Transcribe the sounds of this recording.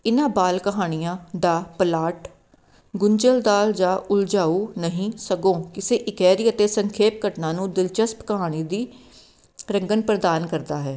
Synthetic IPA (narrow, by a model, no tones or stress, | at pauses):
ɪnãːbaːlkəɦaːɽ̃ijãːd̪aːpəlaːʈ | ɡʊɲd͡ʒəld̪aːld͡ʒaːʔʊld͡ʒaːuːnəɦĩːsəɡõːkɪseːʔɪkɛːɾiːət̪eːsəŋkʰeːp̚ɡəʈnãːnũːd̪ɪlt͡ʃəspkəɦaːɽ̃iːd̪iː | ɾəŋɡənpɾəd̪aːnkəɾd̪aːɦɛː